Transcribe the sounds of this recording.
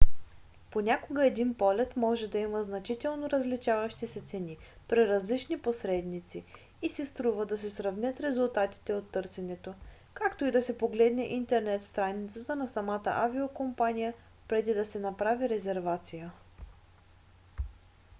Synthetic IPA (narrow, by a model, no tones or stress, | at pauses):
ponʲakoɡəɛd̪inpɔlɛt̪mɔʒɛd̪ɐiməznɐt͡ʃit̪ɛlˠnoɾəzlit͡ʃavəʃt̪isɛt̪sɛni | pɾiɾɐzlit͡ʃniposɾɛd̪nit̪si | isɛst̪ɾuvəd̪ɐsɛsɾɐvnʲət̪ɾɛzulˠt̪at̪i̥t̪ɛot̪ːɤɾsɛnɛt̪o | kakt̪oid̪ɐsɛpoɡlɛd̪nɛʔint̪ɛɾnɛt̪st̪ɾajnit̪sət̪ənɐsɐmat̪ə̰ʔaviokompanijə | pɾɛd̪id̪ɐsɛnɐpɾaviɾɛzɛɾvat̪sijə